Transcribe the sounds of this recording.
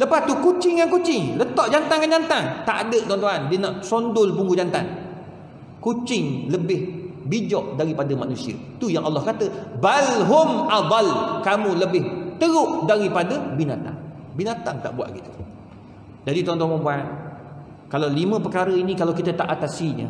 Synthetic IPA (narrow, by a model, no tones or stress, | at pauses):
ləpast̪ukut͡ʃɪŋjankut͡ʃɪŋlət̪ɔʔd͡ʒant̪aŋɡand͡ʒant̪aŋt̪a̰ʔadəʔt̪uant̪uɦandinaʔsɔndʊlpuŋɡud͡ʒant̪an | kut͡ʃɪŋləbɪhbid͡ʒɔʔdaɾipadəmanũsiə̰ | t̪ujaŋʔɑlːɑhkat̪əbalɦʊmʔad̪ˤɑlkamũləbɪht̪əɾʊʔdaɾipadəbinat̪a̰ŋ | binat̪aŋt̪a̰ʔbua̰ʔɡit̪u̥ | d͡ʒadit̪uɦant̪uanmanbuan | kalawlimə̃pəkaɾəinĩkalawkit̪ət̪aʔat̪asiɲə̰